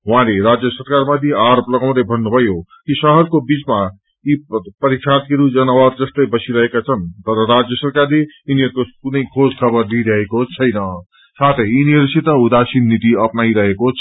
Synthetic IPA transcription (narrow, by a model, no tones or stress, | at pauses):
ɦw̃ɦãleɾad͡zjʌsʌɾkaɾmat̪iaɾoplʌɡaw̃t̪ʌbʱʌnːubʱʌjokisʌɦʌɾkobit͡sma | jipʌɾiksʰat̪̚keɾud͡zʌnawat̪̚d͡zʌst̪ʌjbʌsiɾʌɦekat͡sʰʌnt̪ʌɾʌɾad͡zjʌsʌɾkarleiniɦʌɾkokunʌjkʰod͡zkʰʌbʌrd̪iɾʌɦekot͡sʰʌjnʌ | sat̪ʰʌjiniɦʌɾsʰit̪ʌud̪asinːit̪iʌpnaiɾʌɦekot͡sʰ